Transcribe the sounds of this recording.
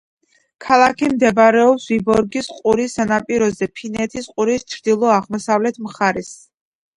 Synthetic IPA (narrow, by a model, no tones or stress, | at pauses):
kʰalˠakʰimd̪ɛbaɾɛɔpsvibɔɾɡisqʼuɾisːanapʼiɾɔzɛpʰinɛt̪ʰisqʼuɾist͡ʃʰɾd̪ilˠɔaʁmɔsavlɛt̪ʰmχaɾis